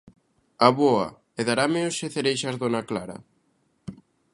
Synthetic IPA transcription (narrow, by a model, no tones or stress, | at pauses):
aβoa̰ | eðaɾameoseθeɾejʃazðonaklaɾɐ̰